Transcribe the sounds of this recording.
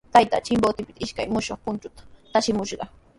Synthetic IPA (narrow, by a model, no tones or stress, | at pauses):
t̪ajt̪a̰ːt͡ʃɪmbot̪ɪpɪ̥t̪aɪʃka̰jmʊʃoχpʊnt͡ʃʊt̪ḁt̪aʃɪmʊʃɢɑ